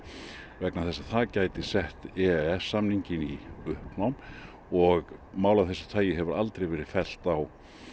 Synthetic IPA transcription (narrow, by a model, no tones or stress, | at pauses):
vɛknaθɛsːaθʰaːcaːjt̪ɪsɛht̪ɛɛsːamniɲcɪniʏhpnawm | ɔɣmaːwlaθɛsːḁt̪ʰaːjɪɦɛvʏɾalt̪ɾejvɛːɾɪ̥fɛl̥t̪aw